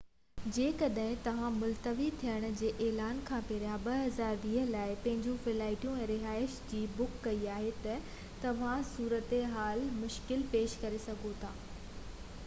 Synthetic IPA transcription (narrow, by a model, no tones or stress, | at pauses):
d͡ʑeːkɐɗɦɪ̃t̪ɐʋ̤ãmʊlt̪əʋit̪ʰijəɽ̃̆d͡ʑeːʔɛːlaːnkʰãːpeːɾjaɓɐɦɐzaːɾʋiːɦə̆laːɪpɐ̃ɦɪ̃ɲd͡ʑũfɪlaːɪʈijũɛ̃ːɾɪɦaːɪʃd͡ʑiːbʊkːɐiaːɦet̪ɐ | t̪ɐʋ̤ãsuːɾət̪eɦaːlmʊʃkɪlpeːʃkɐɾesɐɡʱot̪ʰaː